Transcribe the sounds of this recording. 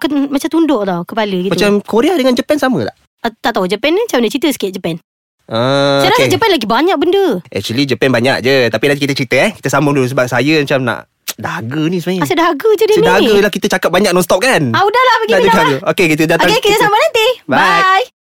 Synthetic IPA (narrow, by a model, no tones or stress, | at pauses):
kənmat͡ʃamt̪undʊʔlakəpaləɡitmat͡ʃamkoɾeahdəŋand͡ʒəpɛnsamət̪aʔ | ət̪aʔt̪aɦud͡ʒəpɛnt͡ʃamnət͡ʃit̪əsə̥ket̪̚d͡ʒəpɛn | ʔəsəɾaŋd͡ʒəpɛnlaɡibaɲak̚bəndəʔɛ̰k̚t͡ʃuəlid͡ʒəpɛnbaɲa̰ʔ̚d͡ʒət̪apilakit̪ət͡ʃəɾit̪əɛhki̥t̪əsaməudəsəbap̚sajəmat͡ʃamna̰ʔ | dahaɡənisəmajaasəʔdaɦaɡəd͡ʒədənidaɦaɡəjlahkit̪ət͡ʃakap̚baɲak̚nɔnst̪ɔp̚kanaudahlahbaɡiadaaɡəokekit̪ədat̪oaŋekid͡ʒasamanant̪ibaj